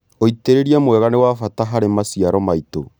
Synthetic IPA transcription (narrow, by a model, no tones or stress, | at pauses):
oiteɾeɾiamwɛɣanewafataɦaɾemasiaɾɔmaito